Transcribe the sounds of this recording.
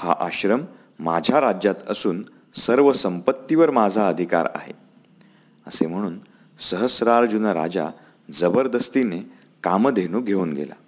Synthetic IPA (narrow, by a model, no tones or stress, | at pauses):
ha̰ʔaɕɾəmː | ad͡ʑʱjaɾad͡ʑjat̪əsuːn | səɾʋəsəmpət̪ːiʋəɾmad͡zʱaəd̪ʱika̰ɾa̰ɦḛ | əsem̤əɽ̃uːn | səɦəsɾaɾd͡ʑunəɾa̰d͡ʑa̰ | d͡zəbəɾd̪əst̪ine | kamd̪ʱenuːɡʱeuːnɡḛla̰